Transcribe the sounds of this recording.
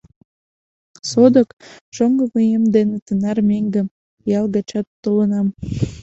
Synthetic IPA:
sod̪əkʒ̥oŋɡə̆məjemd̪enet̪ənɑrmeŋɡə̆m | jɑlɡɑt͡ɕɑt̪ːolənɑm

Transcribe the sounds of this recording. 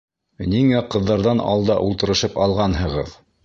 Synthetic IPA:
niŋæqɤ̆ðːɑɾðɑnɑ̰lˠd̪ɑ̰ʔulˠt̪ɤ̆ɾɤ̆ʃɤpɑlˠʁɑnhɤ̆ʁɤ̰ð

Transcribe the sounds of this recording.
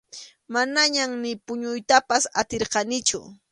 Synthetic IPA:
manaɲammɪpʊɲʊjt̪apasat̪eɾqɑnɪt͡ʃʊ̰

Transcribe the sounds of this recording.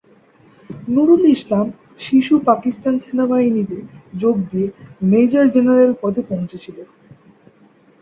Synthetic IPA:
nuɾuniʃlam | ʃiʃupakist̪ansenaɡainit̪ed͡ʑoɡ̚d̪ijemejd͡ʑaɾd͡ʑenaɾelpɔd̪ʱepõw̃t͡ɕʰet͡ɕʰilo

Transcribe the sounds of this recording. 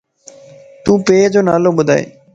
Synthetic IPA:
t̪ũːpeːd͡ʒoːnaːloːɓʊd̪ʱaːḛː

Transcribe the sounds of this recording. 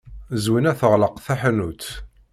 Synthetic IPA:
zwinæθəʁləqθæħnut͡s̪

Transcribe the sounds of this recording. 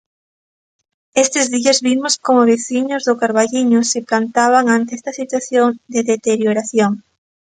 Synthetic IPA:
est̪ɪzðiɐzβimʊskomʊβeθiɲʊzðʊkaɾβaʎiɲʊsɪplant̪aβ̞aŋant̪eɛst̪ɐsit̪waθjoŋd̪eðet̪eɾjoɾaθjoŋ

